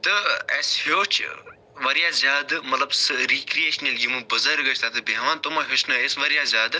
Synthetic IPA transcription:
t̪ɐɛshoːt͡ʃʰ | ʋɐɾjaːzʲaːd̪mɐt̪lɐbsɨɾikɾijeːʃnɐljimubɐzɐɾɡɐt͡ʃʰt̪at̪ʰɨbeɦʋaːnt̪omɐɦʲot͡ʃnɐesʋɐɾijaːzʲaːd̪

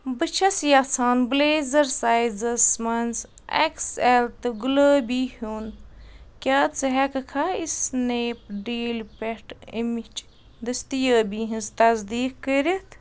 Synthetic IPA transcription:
bɨt͡ʃʰɐsjɐt͡sʰaːnbleːzɐɾsajzɐsmɐnz | ḛkselt̪ɨɡuləːbihunkʲaːt͡sɨɦɛkɐkʰɐisneːpɖiːlpeʈḭmit͡ʃ | d̪ɐst̪ijəːbiːɦĩnzt̪ɐzd̪iːkkəɾit̪ʰ

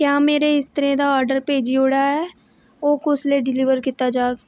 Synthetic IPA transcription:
kjaːmeːɾeɪst̪əɾẽd̪aɔːɾɖəɾpeːd͡ʒioːɽaɦɛː | oːkʊsleɖɪlɪːʋəɾkit̪ad͡ʒaːɡ

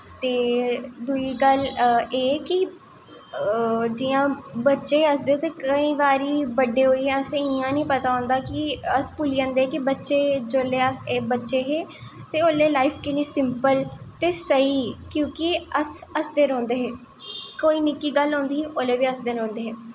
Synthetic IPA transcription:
t̪eːd̪uiːɡəleːkɪ | d͡ʒiːãːbətːʃeːəsd̪eːt̪eːkəĩːʋaːɾiːbəɖeːɦoːiːɦẽəseɪjãːnĩːpət̪aːõːnd̪aːkɪəspuliːãːnd̪eːɛːkibətːʃeːd͡ʒoːlːeːəseːbətːʃeːɦeː | t̪eːoːlːeːlaːipʰkɪnĩːsɪmpəlt̪eːsəiːkjõːkɪəsəsd̪eːnõːnd̪eːɦɛː | koːiːnɪkːiːɡəlɦõːnd̪iːɦiːʔoleːʋiːəsd̪ɪnɦõːnd̪eːɦɛː

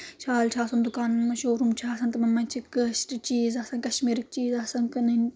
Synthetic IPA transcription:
ʃaːlt͡ʃʰaːsɐnd̪ukaːnɐmːɐʃoːɾumt͡ʃʰaːsɐnt̪ɨmɐmːɐnʲt͡ʃʰikɨʃʈɨt͡ʃiːzaːsɐnkɐʃmiːɾɨk̚t͡ʃiːzaːsɐnkɨnɐnʲ

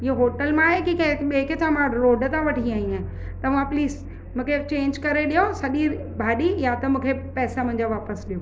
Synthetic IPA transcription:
ɪɦoɦoːʈəlmãːɦekikɐ̃ɓẽːket͡ɕʰãmãɖɾoːɖt̪ãʋɐʈʰiaːĩãː | t̪ɐʋ̤ãpliːz | mũːkʰet͡ɕẽːɲd͡ʑkɐɾeɗijosɐʄi | bʱaːɗijat̪ɐmũːkʰepɛːsamʊ̃ɦɪ̃ɲd͡ʑaʋaːpəsɗijoː

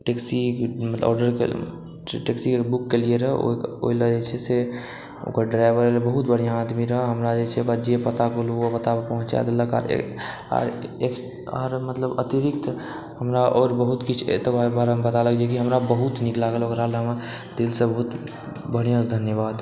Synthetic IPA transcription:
ʈeksimət̪lɔ̰ɖəɾkḛ | ʈeksikebukːelieɾəɦo̰o̰iləd͡ʒet͡ʃʰɛse | o̰kəɾɖɾaɪbəɾelebəɦut̪bəɽ̤ijãːd̪miɾəɦɦəmɾad͡ʒet͡ʃʰɛokɾad͡ʒepət̪akoluapət̪apəɦʊ̃t͡ʃa̰d̪eləka̰ɾḛ | a̰ɾek | a̰ɾmət̪ləbət̪iɾikt̪ | həmɾaʔɔːɾbəɦut̪kit͡ʃʰḛt̪əkabaɾəmbət̪aləkd͡ʒekiɦəmɾabəɦut̪niklaɡəlokɾaleɦəm | d̪ilsə̃bəɦut̪ | bəɽ̤ijãsd̪ʱənjəβaːd̪

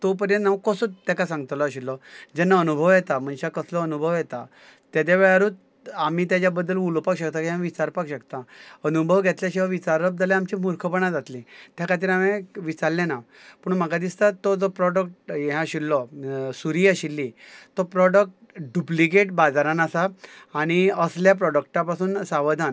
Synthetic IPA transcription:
t̪op̬əɾjə̃nnaʋukɔsot̪ːakasãŋɡt̪lɔaɕilːɔd͡ʑɛnːaənubʱəʋjɛt̪am̤əɳɕakəslɔənubʱəʋjɛt̪a | t̪jad̪aʋəɭaɾuːt̪ | amiːt̪jat͡ɕjabəd̪ːəlulpakɕəkt̪akiɦãʋit͡ɕaɾpakɕəkt̪aənubʱəʋɡʱɛt̪ljaɕiaʋit͡ɕaɾəp̚d͡zalẽamt͡ɕimuɾkʰəpəɳ̃ãd͡zat̪lĩt̪jakʰat̪̬iːɾameʋit͡saɾlːena | pəɳm̤əɡad̪ist̪at̪ːod͡zɔpɾɔɽək̚ʈjɛɦãɕilːɔsuɾiːaɕilːit̪ɔpɾɔɽək̚ʈ | ɖuplikeʈ̚bad͡zaɾãnasaːɽ̃iəsljap̬ɾɔɖək̚ʈapasuːnsaʋəd̪ʱan

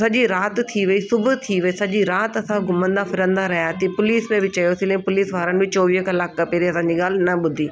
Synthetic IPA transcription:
sɐʄiɾaːt̪t̪ʰiʋɐisʊbʱʊ̆t̪ʰiʋɐisɐʄiɾaːt̪ɐsãɡʱʊmə̃nd̪afɪɾə̃nd̪aɾɐɦjaːt̪ipʊliːsmẽbɪt͡ɕɐjoːsĩlɐ̃ĩpʊliːsʋaːɾənɪ̆bɪt͡ɕoːʋiːɦkɐlaːkːɐpeːɾiɐsãːɲd͡ʑiɠaːl̤ɪnɐɓʊd̪ʱiː

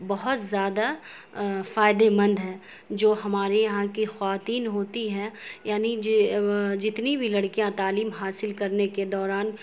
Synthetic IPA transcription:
bɐɦʊt̪zjaːd̪a | faːɪd̪emɐ̃nd̪ɦɛː | d͡ʒoːɦɐmaːɾejɐɦãkixɐʋaːt̪iːnɦoːt̪iɦɛjaːnid͡ʒ | d͡ʒɪt̪nibʱilɐɽkijãt̪aːliːmɦaːsɪlkɐɾneked̪ɔːɾaːn

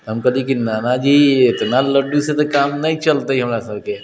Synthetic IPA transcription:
t̪ɦəmkəd̪ikinanad͡ʒiet̪naləɖuset̪ɔkamnait͡ʃəlt̪əɦiɦəmɾasəbke

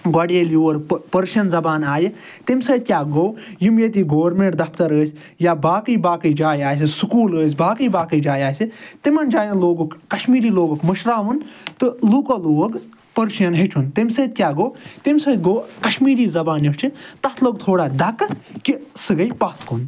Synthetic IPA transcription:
ɡaɽeljoːɐɾpɐɾʃɐnzɐbaːnaːji | t̪imsɐːd̪̚kʲjaːɡowjimjet̪iːɡoːʋɾmeɳʈd̪ɐpʰt̪ɐɾəːsʲ | jabaːkəjbaːkəjd͡ʒaːjaːsʲisukuːləːsʲbaːkəjbaːkəjd͡ʒaːjaːsit̪imɐnd͡ʒaːjɐnloːɡukkɐʃmiːɾiːloːɡukmɨʃɾaːɦunt̪ɨluːkoloːɡ | pɐɾʃɐnɦet͡ʃʰunt̪imsɐd̪̚kʲjaːɡowt̪imsɐːd̪̚ɡoːkɐʃmiːɾiːzɐbaːnjɐt͡ʃʰit̪ɐt̪ʰloːɡ̚t̪ʰoːɽaːd̪ɐkkisɨɡɐjpaːskun

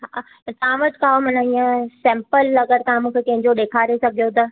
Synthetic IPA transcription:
ɦa | t̪ɐʋãʋɐʈɪkaːomɐnəĩːə̃sɛ̃ːmpəlːɐɡəɾt̪ɐɦãmũːkʰekɐ̃ɦɪ̃ɲd͡ʑoɗeːkʰaːɾesɐɡʱijot̪ɐ

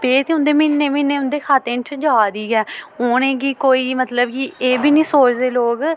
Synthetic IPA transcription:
peːt̪eʊ̃nd̪eːmɪnːeːmɪnːeːʊ̃nd̪eːkʰaːt̪ẽːnt͡ʃʰd͡ʒaːd̪iːɡɛːoːnẽːɡiːkoːiːmət̪ləbkieːbʱiːnĩːsoːt͡ʃd̪eːloːɡ

